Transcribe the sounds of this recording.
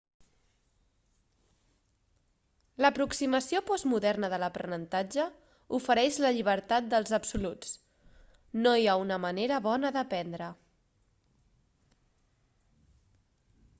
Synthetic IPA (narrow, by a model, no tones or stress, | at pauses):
ləpɾuksiməsiopɔzmuðɛrnəðələpɾə̰nənt̪ad͡ʒə | ufəɾɛʒləʎiβ̞əɾt̪at̪̚d̪əlˠzəpsulut͡s | nojaunəməneɾəβɔnəðəpɛnd̪ɾə